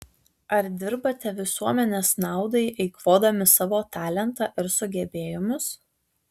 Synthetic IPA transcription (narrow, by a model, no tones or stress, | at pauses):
ɐɾd̪ʲɪɾbɐt̪ʲɛʋʲɪsuɔmʲɛnʲeːsnɑˑʊd̪ɐɪʔɐɪkʋoːd̪ɐmʲɪsɑːʋoːt̪ɑːlʲɛnt̪ɑːˑʔɪɾsʊɡʲɛbʲeːjʊmʲʊs